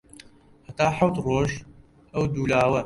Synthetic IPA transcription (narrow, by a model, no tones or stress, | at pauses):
hɐt̪aːħɐwt̪rˤoːʒ | ʔɐwd̪uːlaːwɐ